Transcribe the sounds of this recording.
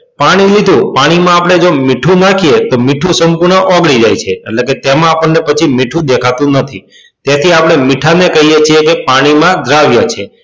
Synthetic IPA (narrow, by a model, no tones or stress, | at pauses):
paɽ̃ilid̪ʱũpaɽ̃imãapəɽ̃ed͡ʒomiʈʰũnakʰiet̪omiʈʰũsəmpuɾɳəʔɔɡɽid͡ʒajt͡ʃʰḛːʈleket̪emãːpəɳːepət͡ʃʰimiʈʰũd̪ekʰat̪ũnət̪ʰi | t̪jat̪ʰiapɽ̃emiʈʰanekəɦijet͡ʃʰijekepaɽ̃imãd̪ʱɾaʋjat͡ʃʰe